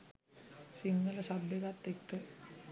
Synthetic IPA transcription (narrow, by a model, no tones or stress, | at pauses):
siŋɡələsab̪ːeɡat̪ːekːə